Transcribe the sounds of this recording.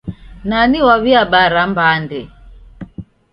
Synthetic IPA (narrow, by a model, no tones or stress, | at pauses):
naniwaβiaɓaɾambandɛ